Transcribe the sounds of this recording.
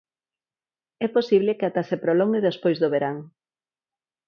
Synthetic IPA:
ɛposiβ̞lɪkeat̪asepɾoloŋeðespojzðoβeɾaŋ

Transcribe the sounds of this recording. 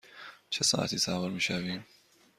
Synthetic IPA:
t͡ʃʰesɑ̰ːʔa̰t̪ʰiːsaːvoɾmiːʃæviːn

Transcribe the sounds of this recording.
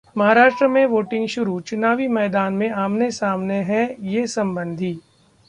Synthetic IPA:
mɐɦaːɾaːʃʈɾəmẽʋoːʈɪ̃ŋɡʃʊɾut͡ʃʊnaːʋimɛːd̪aːnmẽaːmnesaːmneɦɛjesɐ̃mbə̃nd̪ʱiː

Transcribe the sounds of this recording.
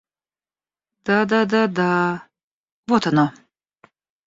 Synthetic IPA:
d̪̥ad̪ad̪ad̪a | vot̪ano

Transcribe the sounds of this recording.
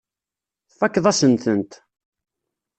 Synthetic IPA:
θfækːðˤæsənθənt̪

